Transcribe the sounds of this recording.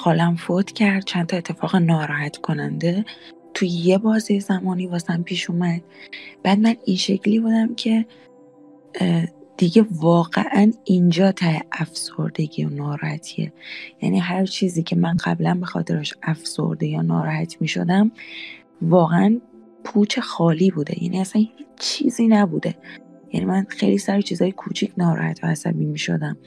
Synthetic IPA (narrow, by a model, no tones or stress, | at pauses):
xɒːlæmfot̪ʰcʰæɾd̪̥̚t͡ʃʰænt̪ʰɒːet̪ʰːe̞fɒːɣenɒːɾɒːhæt̪ʰkʰo̞nænd̪e̞ | t̪ʰujje̞bɒːzijezæmɒːniːvɒːseæmpʰiːʃuːmæd̪̥̚b̥æːd̪mæninʃe̞cʰliːbuːd̪æmcʰe̞ | d̪̥iɟe̞vɒːɣḛʔænind͡ʒɒːt̪ʰæheʔæfso̰ɾd̪e̞ɟḭonɒːɾt̪ʰiḛjæ̰niːɦæɾt͡ʃʰiːziːcʰe̞mænɢæblænbe̞xɒ̰ːt̪ʰe̞ɾeʃæfso̞̰ɾd̪ejɒːnɒːɾɒhæt̪ʰmiːʃo̞̰d̪æm | vɒːɣeʔæn | pʰuːt͡ʃʰe̞xɒːliːbuːd̪e̞̰jæ̰nʔiːæsænhiːt͡ʃʰːiːziːnæbuːd̪e̞jæ̰nḭmænxejlisæɾet͡ʃʰiːzɒːjekʰuːt͡ʃʰicʰnɒːɾɒ̰hæ̰t̪ʰvææsæ̰biːmiːʃo̞̰d̪æm